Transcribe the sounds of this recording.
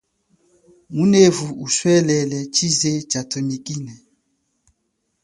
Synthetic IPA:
munevuuswɛlɛlɛt͡ʃizet͡ʃatʰomikʼinɛ

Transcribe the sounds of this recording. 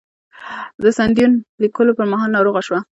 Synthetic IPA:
d̪əsand̪junlikəlopəɾmɑɦɑlnɑɾoɣaʃwa

